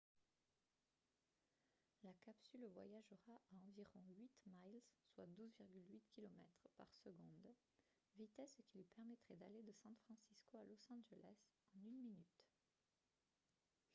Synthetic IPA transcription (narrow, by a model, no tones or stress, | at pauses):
lakapsylvwa̰jaʒəʁaʔaɑ̃viʁɔ̃ɥit̪majlzswa̰d̪uzviʁɡʲylɥit̪kʲilɔmɛ̰t̪χpa̰ʁsəɡɔ̃d̪ | vit̪ɛskʲilɥipɛʁmɛt̪χɛd̪aled̪əsɑ̃t̪fχɑ̃siskoalɔsɑ̃ʒəlɛs | ɑ̃nynminyt̪